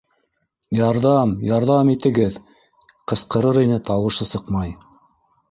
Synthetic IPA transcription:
jɑɾðɑmjɑɾðɑmit̪ɘ̆ɡɘð | qɤ̆sqɤ̆ɾɤɾinɘt̪ɑwɤ̆ʃɤsɤqmɑj

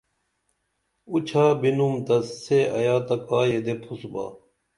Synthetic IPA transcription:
ut͡ɕʰaːbinumt̪ɐsːeɐ̰jaːt̪ɐkaːjed̪epʰusba̰ː

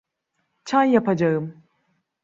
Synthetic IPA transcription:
t͡ʃʰanjapad͡ʒaɯm

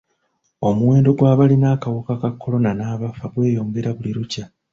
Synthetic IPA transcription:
o̞muwe̞ːndo̞ɡwaːβalinaːkawukakakʰːo̞lo̞nanaːβafaɡwe̞ːjo̞ːŋɡe̞ɾaβuliɾuca

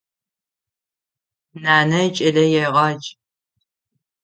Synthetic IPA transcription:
naːnɐt͡ʃʼɐɮɐjɛʁɑːt͡ʃʼ

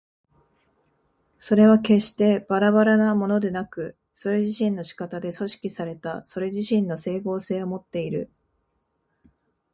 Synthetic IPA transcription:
so̞ɾe̞β̞ake̞ɕi̥t̪e̞b̥aɾaβaɾanamo̞no̞d̪e̞nakɯ̟ | so̞ɾe̞ʑiɕĩnːo̞ɕi̥kat̪ad̪e̞so̞ɕi̥kʲisaɾe̞t̪aso̞ɾe̞ʑiɕĩnːo̞se̞ːko̞ːse̞ːomo̞t̪ːe̞iɾɯ̟̰

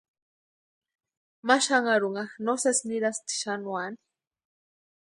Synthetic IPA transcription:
maʃaŋaɾuŋaxnosesniɾast̪i̥ʃanwani̥

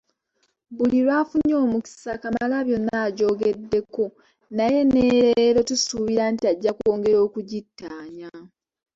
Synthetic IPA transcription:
buliɾwaːfuɲːo̞ːmuki̥sakamalaβjo̞nːaːɟo̞ːɡe̞dːe̞ko | naje̞ne̞ɾeɾo̞tusuβiɾantiaɟːakuoːŋɡe̞ɾo̞ːkuɟitːaːɲa

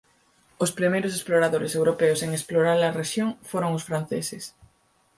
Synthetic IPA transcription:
ʊspɾimejɾʊsesploɾaðoɾɪsewɾopeoseŋesploɾaɾlɐreʃjoŋfoɾoŋʊsfɾan̟θḛsɪs

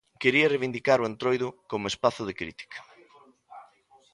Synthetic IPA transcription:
keɾiɐreβind̪ikaɾoent̪ɾojðʊkomespaθʊð̞ekɾḭt̪i̥kɐ̥

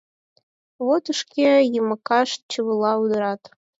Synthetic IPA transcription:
βot̪əʃkʲejəmɤkɑʃt͡ɕəβəlˠɑud̪ɤ̆ɾɑt̪

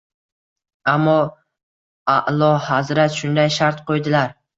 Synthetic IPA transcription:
amːɒ | aʔlˠɒhazɾat̪ʃʊnd̪ajʃaɾt̪qʰojd̪ɪlaɾ

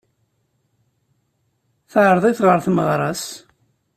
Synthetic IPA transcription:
θʕɾðˤiθʁəɾθməʁɾˤɑs

